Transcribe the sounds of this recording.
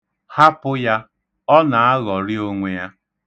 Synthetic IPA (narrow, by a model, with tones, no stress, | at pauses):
ha˦pʊ˦ja˦ | ɔ˦na˨a˦ɣɔ˨ɾɪ˦o˦ŋʷe˨ja˦